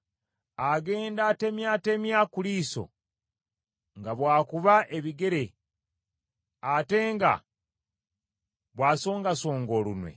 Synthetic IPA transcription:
aɡe̞ːndaːte̞mjate̞mjakuliːso̞̰ | ŋɡaβwaːkuβaʔe̞βiɡe̞ɾe̞ | ate̞ŋɡa̰ | βwaːso̞ːŋɡaso̞ːŋɡo̞ːlunwḛ

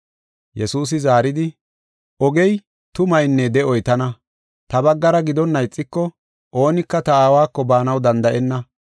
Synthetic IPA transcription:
jɛsuːs̬ɪzaːɾɪd̪ɪ | ɔɡɛj | t̪ʊmɐjnːɛd̪ɛɔjt̪ɐnɐ | t̪ɐbɐɡːɐɾɐɡɪd̪ɔnːɐjt͡sʼːɪkːɔ | ʔo̞ːnɪkːɐt̪ɐaːwaːkːɔbaːnɐwd̪ɐnd̪ɐʔɛnːɐ

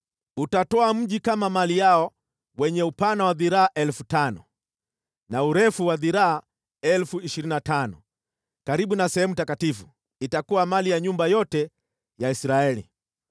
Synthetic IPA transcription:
utatɔam̩ʄikamamalijaɔ | wɛɲɛupanawaðiɾaːʔɛlfutanɔ | nauɾɛfuwaðiɾaa | ɛlfuiʃiɾinatanɔ̰ | kaɾiɓunasɛhɛmutakatifu | itakuwamalijaɲumbajɔtɛ | jaisɾaɛlḭ

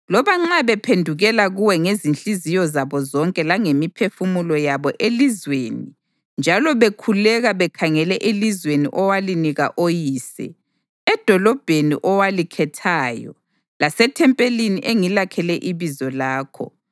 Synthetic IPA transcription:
lɔβaŋ͡ǁaβɛpʰendʱuɣɛlaɣuwɛŋezint͡ɬʼizijɔzaβɔzɔŋkʼɛlaŋemipʰefumulɔjaβɔʔelizweni | nd͡ʒʱalɔβekʰulɛɣaβɛkʰaŋɛlɛʔelizwenḭʔɔwaliniɣa̰ʔojiːsɛ̰ | ɛd̥ʱɔlɔb̥ʱenḭʔɔwalikʰɛtʰaːjɔ̰ | lasɛtʰɛmpʼeliniʔeŋilakʰɛlɛʔiβizɔlaːkʰɔ̰

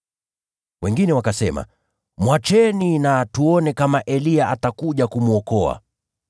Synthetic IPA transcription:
wɛŋɡinɛwakasɛma̰ | mwat͡ʃɛninatuɔnɛkamaʔɛliaʔatakuʄakumuɔkɔa̰

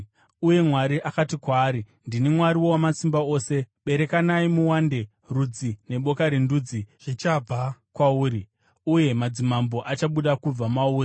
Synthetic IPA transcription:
uje̞mwaɾiʔakatikwaːɾi | ndinimwaɾiwowamasimbao̞ːse̞ɓe̞ɾe̞kanaimuwande̞ | rud͡zine̞ɓo̞kaɾinduːd͡ziʐ̥it͡ʃab͡vakwauːɾi | uje̞mad͡zimambo̞ʔat͡ʃaɓuɗakub͡vamauːri

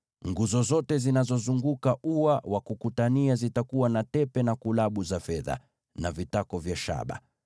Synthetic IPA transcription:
ŋɡuzɔzɔtɛzinazɔzuŋɡukaʔuwawakukutaniazitakuwanatɛpɛnakulaɓuzafɛða̰ | navitakɔvjaʃa̰ɓa̰

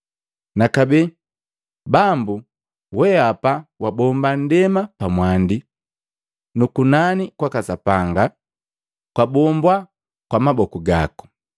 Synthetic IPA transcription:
nakabɛ | bambu | wɛapawabɔmban̩dɛmapamwandi | nukunanikwakasapaŋɡa | kwabɔmbwa | kwamabɔkuɡaku̥

